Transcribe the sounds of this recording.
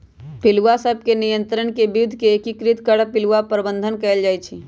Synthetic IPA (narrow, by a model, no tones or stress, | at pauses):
pɪlʋasəb̚ʱkenijə̃nt̪ɾəɳkebɪd̪ʱkeːkikɾɪt̪kəɽpɪlʋapɾəbə̃nd̪ʱənkɛːld͡ʒaːjt͡ʃʰi